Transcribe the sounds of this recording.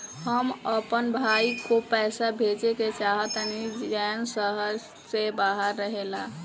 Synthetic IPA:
həməpənbʱajkopɛjsabʱet͡ʃeket͡ʃaɦət̪nid͡ʒɛnsəɦəɾ | sebaɦəɾːəɦela

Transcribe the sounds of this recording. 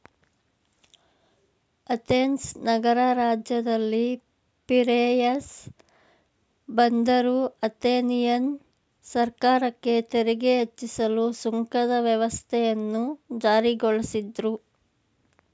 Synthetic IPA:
ɐt̪eːnsnɐɡɐɾɐɾaːd͡ʒjɐd̪ɐlːi | piɾeːjɐs | bɐnd̪ɐɾuɐt̪eːnijɐn | sɐɾkaːɾɐkːe̞t̪eɾɛɡeɦet͡ʃːisɐlusuŋkɐd̪ɐʋjɛʋɐst̪ʰɛjɐnːud͡ʒaːɾiɡoɭɐsid̪ɾu

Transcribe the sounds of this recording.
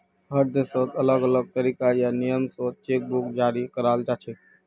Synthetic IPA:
ɦəɾd̪esot̪ələɡələɡ̚t̪əɾikajanijəmsot̪̚t͡ʃek̚bukd͡ʒaːɾikəɾald͡ʒat͡ʃʰɛ

